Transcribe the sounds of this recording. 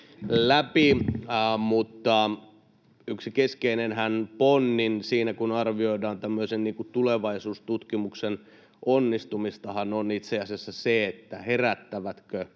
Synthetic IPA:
læpi | mut̪ːɑ | yksikeskeinenhænponːinsiːnækunɑrʋioidɑːnt̪æmːøisenniːŋkut̪uleʋɑisuːst̪ut̪kimuksen | ʔonːist̪umist̪ɑhɑnonit̪seɑsiɑsːɑseet̪ːæheræt̪ːæʋæt̪kø

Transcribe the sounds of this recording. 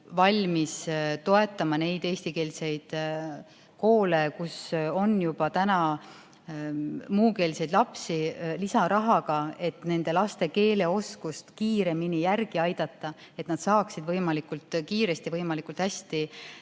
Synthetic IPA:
vɑlʲmist̪o̞e̞t̪ːˑɑmɑne̞jd̪̥e̞ːsʲt̪ike̞ːlse̞jd̪̥ | ko̞ːle̞kuso̞njub̥ɑt̪ænɑ | muːke̞ːlse̞jd̪lɑpsilisɑɾɑɦɑɡ̥ɑe̞t̪ːˑne̞nd̪̥e̞lɑst̪e̞ke̞ːle̞o̞skust̪kiːɾe̞minijærɡ̥iɑjd̪̥ɑt̪ːˑɑ | et̪nɑd̪̥sɑːksid̪vɤjmɑlikːˑult̪kiːɾe̞st̪ivɤjmɑlikˑult̪hæsʲt̪i

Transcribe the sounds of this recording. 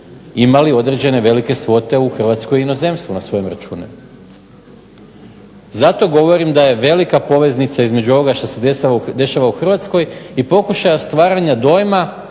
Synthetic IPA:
imalio̞d̪ɾe̞d͡ʑe̞ne̞ʋe̞like̞sʋo̞t̪e̞uxr̩ʋat̪skojino̞ze̞mst̪ʋunasʋo̞jomɾat͡ʃṵːnḛm | zat̪o̞ɡo̞ʋo̞ɾimd̪aje̞ʋe̞likapo̞ʋe̞znit̪saizme̞d͡ʑuo̞ʋo̞ɡaʃt̪osed̪ead̪e̞ʃaʋauxr̩ʋat̪sko̞jipo̞kuʃajast̪ʋaːɾaɲad̪o̞jma

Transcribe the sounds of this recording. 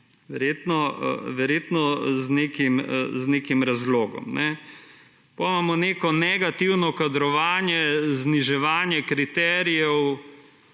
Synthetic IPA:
ʋɛɾjeːt̪nɔ̰ʋɛɾjeːt̪nɔznekimznekimɾazloːɡɔ̰mnɛ | pomamɔneːkɔnɛɡat̪iwnɔkad̪ɾɔʋaːnjɛzniʒɛʋaːnjɛkɾit̪ɛɾijɛw

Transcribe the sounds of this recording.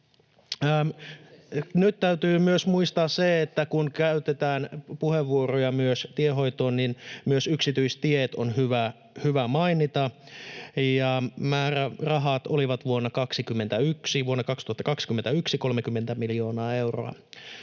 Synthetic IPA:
nyt̪tːæyt̪yːmyøsmuist̪ɑːsseet̪ːækunkæyt̪et̪æːnpuheʋːuorojɑmyøst̪ieɦo̞it̪oːnninmyøsyksit̪yistt̪iet̪onhyʋæ | hyʋæmɑinit̪ɑ | jɑmæːrærɑɦɑːt̪oliʋɑt̪ʋuonːɑkɑksikymːent̪æyksiʋuonːɑkɑkst̪uhɑt̪ːɑkɑksi̥kymːent̪æyksiko̞lmekymːent̪æmilio̞ːnɑːe̞wro̰ɑ̰

